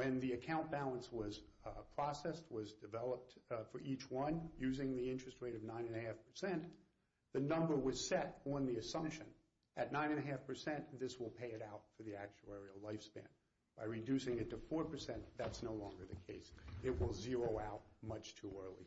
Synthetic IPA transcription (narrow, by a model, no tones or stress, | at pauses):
ɨ̃nðiɨkʰãʊ̃nb̥ælˠə̃nswʌz̥pʰɹ̥ɑsɛst̚wʌzdɨvɛlˠəp̚tfə˞ʔit͡ʃwʌ̃njʉzɪ̃ŋðiɪ̃nt͡ʃɹ̥ɨst̚ɹeɪɾʌvnãɪ̃nɨ̃nɨɦæfpʰə̥˞sɛ̃n | ðɨnʌ̃mbə˞wʌz̥sɛɾn̩ðiɨsʌ̃mpʃɨ̃n | ʔɨtⁿnãɪ̃ñɨ̃nɨɦæfpʰə˞sɛ̃nðɪswəlˠpʰeɪɨɾaʊtfə˞ðiæk̚t͡ʃuɛɹiəlaɪfspæ̰̃n | b̥aɪɹɨdʉsɪ̃ŋɨtʰɨfɔɹpʰə˞sɛ̃nðætsnoʊlɔ̃ŋɡə˞ðɨkʰeɪsɪt̚wɪlˠzɪɹoʊaʊt̚mʌt͡ʃtʰuɜ˞lˠḭ